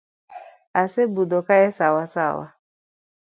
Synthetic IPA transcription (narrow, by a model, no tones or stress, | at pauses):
asebudokaɛsawasawa̰